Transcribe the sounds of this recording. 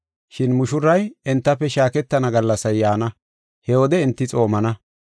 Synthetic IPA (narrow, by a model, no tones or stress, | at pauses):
ʃɪnmʊʃʊɾɐjɛnt̪ːɐpːɛʃaːkɛt̪ːɐnɐɡɐlːɐsɐjːaːnɐ | hɛwɔd̪ɛɪnt̪ːɪt͡sʼo̞ːmɐnɐ